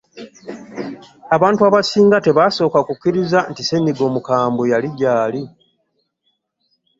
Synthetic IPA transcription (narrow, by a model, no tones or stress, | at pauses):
aβaːntuaːβasiːŋɡate̞βaso̞ːkakukːiɾizantise̞nːiɡo̞ːmukaːmbojaliɟaːli